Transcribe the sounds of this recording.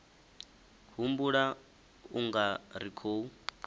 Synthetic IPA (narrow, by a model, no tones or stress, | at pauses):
ɦumbuɺa | uŋɡaɾikʰoːu